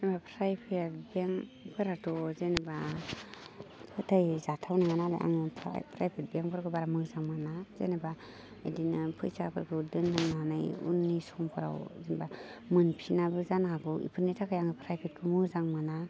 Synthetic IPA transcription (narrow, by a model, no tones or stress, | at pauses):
znbapʰɾajpʰet̚beŋpʰɯɾatʰɔzeneba | pʰɯtʰajzatʰawnaŋanala̰ʔa̰ŋɯ̰pʰɾa̰jpʰet̚beŋpʰɯɾkʰɯbaɾamɯzaŋmɯnazḛneba | edinɯpʰɯjsapʰɯɾkʰɯdɯnːɯŋnanɯjṵnːisɔŋpʰɯɾa̰wzenbamɯnpʰinabɯzanhaɡɯʔḭpʰɯɾnitʰakʰajaŋɯpʰɾajpʰet̚kʰɯmɯzaŋmɯna